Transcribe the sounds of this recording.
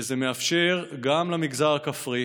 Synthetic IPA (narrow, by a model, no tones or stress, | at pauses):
zemeafʃeʁɡamlamiɡzaʁakafʁi